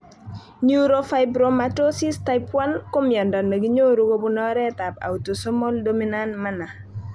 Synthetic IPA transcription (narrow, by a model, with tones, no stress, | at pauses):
ɲu˦ɾo˨fa˨ɪbɾo˨mato˦si˦sta˦ɪpwa˦nko˦mjɔ˨ndɔ˨ne˨ɡi˦ɲo˦ɾo˦ɡo˦bu˦nɔ˦ɾɛ˦ta˨pa̰˨u˨to˨so˦mɔ˦ldo˦mi˦na˦nma˦na˨